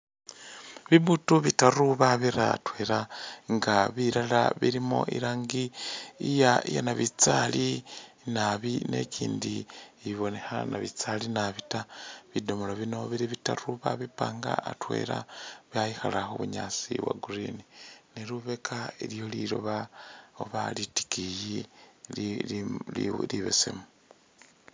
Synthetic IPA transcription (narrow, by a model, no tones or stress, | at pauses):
βiβutuβitaruβaβiɾatwe̞ɾaŋɡaβiɾalaβiɾimo̞̰ʔḭɾaːŋɡiijaija̰naβit͡sali | naβine̞̰cʰiːndieβiβo̞ne̞xanaβit͡salinaβitaβidomoloβino̞βiɾiβitaruβaβipaːŋɡa̰ːtwḛɾaβjajixalaxoβuɲat͡siβwa̰ɡuɾinineɾuβekʰailijo̞liɾoβaoβaliti̥kiji | liβḛsḛmu